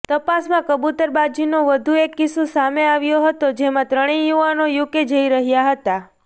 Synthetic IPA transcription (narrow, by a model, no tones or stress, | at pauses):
t̪əpasmãkəbut̪əɾbad͡ʒinoʋəd̪ʱuekːisusameaʋjoɦət̪od͡ʒemãt̪ɾəɽ̃ijuʋanojuked͡ʒəiɾəɦjaɦət̪a